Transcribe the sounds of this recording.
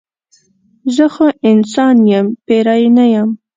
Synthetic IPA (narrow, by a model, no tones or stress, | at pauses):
zəxoʔɪnsɑnjəmpeɾɑjnajəm